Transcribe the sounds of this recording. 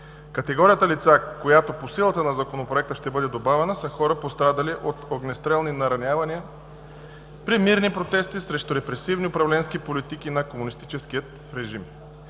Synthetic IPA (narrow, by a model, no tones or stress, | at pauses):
kɐt̪ɛɡɔɾijət̪əlit̪sakojat̪oposilˠət̪ənɐzɐkonopɾoɛk̚t̪əʃt̪ɛbɤd̪ɛd̪obavɛnəsəxɔɾəpost̪ɾad̪ɐliʔot̪oɡnɛst̪ɾɛlˠninɐɾɐnʲavɐniə | pɾimiɾnipɾot̪ɛst̪isɾɛʃt̪oɾɛpɾɛsivniʊpɾɐvlɛnskipolit̪ikinɐkomunist̪it͡ʃɛskiət̪ | ɾɛʒim